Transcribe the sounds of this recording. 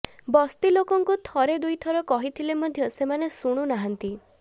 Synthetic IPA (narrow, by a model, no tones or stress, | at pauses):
bɔst̪ilokɔŋkut̪ʰɔɾed̪ujt̪ʰɔɾɔkɔɦit̪ʰilemɔd̪ʱjɔsemanesuɽ̃unaɦant̪i